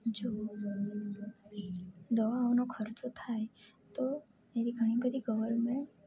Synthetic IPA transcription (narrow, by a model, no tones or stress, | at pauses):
d͡ʒo | d̪əʋaːʋnokʰəɾt͡ʃot̪ʰae | t̪o | eɾiɡʱəɽ̃ibəd̪ʱiɡəʋəlmẽ